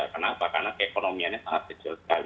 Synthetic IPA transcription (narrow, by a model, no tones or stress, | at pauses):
akənapaka̰rnakəekonomiaɲasaŋat̪̚kə̥t͡ʃʊrsə̥kali